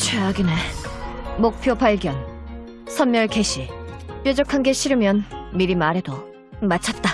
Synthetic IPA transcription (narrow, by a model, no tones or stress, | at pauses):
t͡ɕʰeaɡine | mok̚pʰjopaɭɡjʌn | sʰʌnmjʌɭke̞ɕʰip͈jʌd͡ʑʌkʰanɡeɕʰiɾɯmjʌnmiɾimaɾe̞do | mat͡ɕʰʌt̚t͈a